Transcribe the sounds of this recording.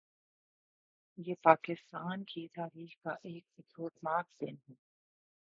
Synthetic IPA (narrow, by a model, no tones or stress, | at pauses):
jeːpaːkɪst̪aːnkit̪aːɾiːxkaʔeːk̚bɪt̪ʰoːʈmaːkd̪ɪ̰nɦuː